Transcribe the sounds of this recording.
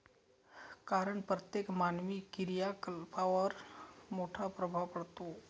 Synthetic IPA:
kaɾəɳpɾət̪jekmanʋikiɾjakəlpaʋəɾmoʈʰapɾəbʱaʋpəɽt̪o

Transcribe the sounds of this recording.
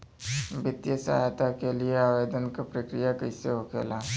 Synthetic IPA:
bɪt̪jəsa̰ɦt̪akelieaːʋeːd̪ənkapɾəkɾijakəiseɦokḛla

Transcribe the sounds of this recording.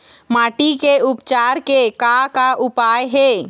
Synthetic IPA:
maːʈikeʊpt͡ʃaːɾkekakaʔʊpajɦe

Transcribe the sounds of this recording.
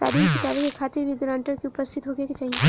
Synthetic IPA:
t̪a̰ːɾiːmkit̪aːɾimekʰaːt̪ɪɾʋiɡɾãːɳʈəɾkiʊpəst̪ʰɪt̪ɦoːɡekit͡ʃaːɦie

